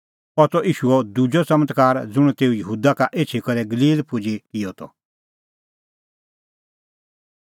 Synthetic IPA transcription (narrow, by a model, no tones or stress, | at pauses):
pɔt̪ɔʔiːʃuɔd̪ud͡ʒɔt͡sɐmət̪kaːɾd͡zʊɽ̃t̪eːujəɦuːd̪akaʔeːt͡ʃʰikɔɾɛɡəliːlpʊd͡ʒikɪjɔt̪ʰɔ̰